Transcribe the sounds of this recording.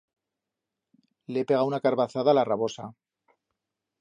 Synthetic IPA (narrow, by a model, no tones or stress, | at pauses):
leepe̞ɣawunakaɾβaθaðalaraβo̞sa